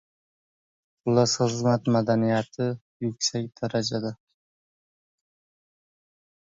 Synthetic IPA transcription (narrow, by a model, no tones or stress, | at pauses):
ʊlˠasχɨzmat̪mad̪anijat̪ʰɪ | jʊkʲsakʲd̪̥aɾad͡ʒad̪a